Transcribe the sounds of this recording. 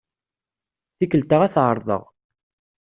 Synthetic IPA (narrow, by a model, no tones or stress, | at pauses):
θikəlt̪əʁæθʕəɾˤðˤə̰ʁ